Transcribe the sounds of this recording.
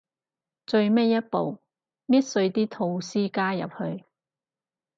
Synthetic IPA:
t͡sɵ˧ɥme˥jɐ˥t̚po̰˨w | miː˥t̚sɵ˧ɥt̪iː˥t̪ʰo˧wsiː˥kaː˥jɐ̰˨p̚hɵ˧ɥ

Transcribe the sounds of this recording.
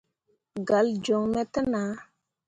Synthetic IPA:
ɡa˨˦ld͡ʒɔ˨ŋmɛ˦tə˦na˨˦

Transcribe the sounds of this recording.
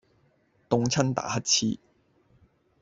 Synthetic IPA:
t̪ʊ˧ŋt͡sʰɐ˥nt̪a̰ː˨˥hɐ˥t̚t͡sʰḭː˥

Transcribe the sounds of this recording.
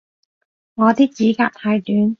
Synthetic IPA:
ŋɔː˨˧t̪iː˥k̚t͡siː˨˥kaː˧k̚t̪ʰaː˧jt̪yː˨˥n

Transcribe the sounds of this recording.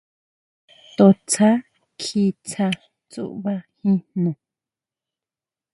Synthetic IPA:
t̪o˧t͡sʰa˦ | kʰi˧t͡sʰa˧ | t͡sṵ˦˨ʔβa˦hĩ˦nnõ˨

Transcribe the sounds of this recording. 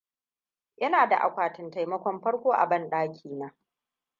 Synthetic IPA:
jɐ˦naː˨da˨ʔa̰˨kʷaː˨tɪ˨nta˨jmɐ˦kʷɔ˦mɸɐ˦ɽkʷoː˦ʔa̰˨bɐ˦nɗaː˦kʲʰiː˨naː˨˦

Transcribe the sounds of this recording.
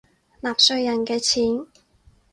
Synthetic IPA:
laː˨˩p̚sɵ˧ɥjɐ˨˩nkɛː˧t͡sʰiː˨˥n

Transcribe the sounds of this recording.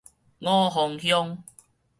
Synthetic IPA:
ŋɔː˦˨ɦɔ˨˧ŋhjɔ˦˧ŋ

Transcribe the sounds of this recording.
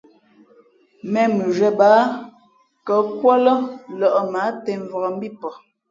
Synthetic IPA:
mɛ˨mʉ˨ʒɛ˨baː˨˦ | kə˨˦kwɔ˦lɔ˦lɔ˨ʔɔ˨ma˨˦tɛ˨ɱ˨vɔ˨ɔ˨m̩˦bi˦˨pɔ˨

